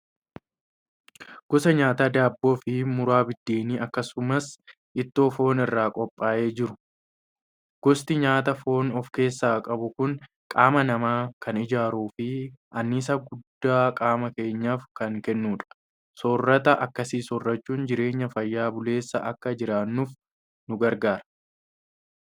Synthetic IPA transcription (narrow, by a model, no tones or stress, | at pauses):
ɡ̥ɔsɐɲaːt̪aːd̪aːbːo̞ːfɪmʊɾaːbɪd̪ːeːniːʔɐkːɐsʊmɐs | ʔɪt̪ːo̞ːfo̞ːnɪrːaːkʼɔpʼːaːʔe̞ːd͡ʒɪɾʊ̥ | ɡ̥ɔst̪ɪɲaːt̪ɐfo̞ːnɔfke̞ːsːaːkʼɐbʊkʊn | kʼaːmɐnɐmaːkɐnɪd͡ʒaːɾuːfɪʔɐnːɪs̬ɐɡʊd̪ːaːkʼaːmɐke̞ːɲːaːfkɐŋkɛnːuːᶑɐ̥ | sɔrːɐt̪ɐʔɐkːɐsiːsɔrːɐt͡ʃːuːnd͡ʒɪɾe̞ːɲːɐfɐjːaːbʊle̞ːsːɐʔɐkːɐd͡ʒɪɾaːnːuf | nʊɡɐɾɡaːɾɐ